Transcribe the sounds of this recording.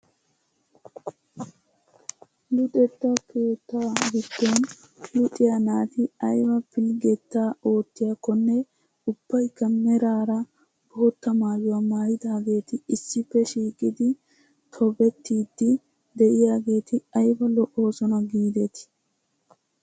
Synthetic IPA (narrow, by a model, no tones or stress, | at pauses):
lʊt̪ʼɛt̪ːɐkʰe̞ːt̪ːaːɡɪt̪ːoːn | lʊt̪ʼɪjanaːt̪ɪɐjbɐpɪlɡɛt̪ːaːo̞ːt̪ːɪjakɔnːɛ | ʊb̥ːɐjkːɐmɛɾaːɾɐ | b̥oːt̪ːɐmaːjʊwamaːjɪd̪aːɡe̞ːt̪ɪɪsːɪpːɛʃiːkʼɪd̪ɪ | t̪ʰɔbɛt̪ːiːd̪ːɪ | d̪ɛʔɪjaːɡe̞ːt̪ɪɐjbɐlɔʔo̞ːsɔnɐɡiːd̪ɛt̪ɪ̥